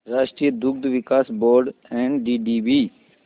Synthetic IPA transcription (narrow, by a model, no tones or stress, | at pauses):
ɾaːʃʈɾijəd̪ʊɡ̚d̪ʋɪkaːsboːɾɖɛ̃ːɳɖɖiːɖiːbiː